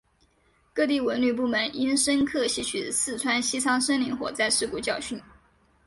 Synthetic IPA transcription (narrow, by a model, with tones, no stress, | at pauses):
kɤ˥˧t̪i˥˩wə˧˥nly˥˩p̬u˥˩mə˧˥nʔi˥nʂə˥nkʰɤ˥˧ɕi˥˩t͡ɕʰy˨˩˦sɹ̩˥˩t͡sʰwa˥nɕi˥t͡sʰɑ˥ŋʂə˥nli˧˥ŋxwɔ̰˨˩t͡sa˥˧ɪʂɻ̩˥˩ku˥˩t͡ɕjɑ˥˧ʊɕy˥˩n